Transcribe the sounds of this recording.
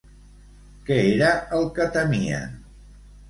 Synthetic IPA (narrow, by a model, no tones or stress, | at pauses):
kɛeɾəʔəlˠkət̪əmiə̰n